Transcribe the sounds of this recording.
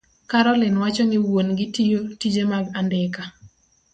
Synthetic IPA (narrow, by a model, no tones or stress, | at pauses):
kaɾɔlɪnwat͡ʃɔŋɪwonɡɪtijotid͡ʒemaɡandɪka